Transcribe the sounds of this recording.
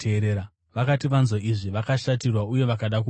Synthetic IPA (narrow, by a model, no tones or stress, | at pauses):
eɾeːɾa | ʋakatiʋanzoiʐiʋakaʃatirwauje̞ʋakaɗak̬u